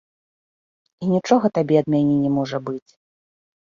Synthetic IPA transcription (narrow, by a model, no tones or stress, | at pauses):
inʲit͡ʂɔɣɐt̪abʲɛɐd̪̚mʲanʲɛnʲɛmɔʐɐbɨt͡sʲ